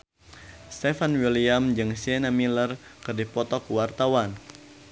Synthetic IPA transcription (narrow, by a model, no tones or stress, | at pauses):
st̪ɛfanwiliamd͡ʒɨŋsiɛnamilərkɨrdipɔt̪ɔkwart̪awan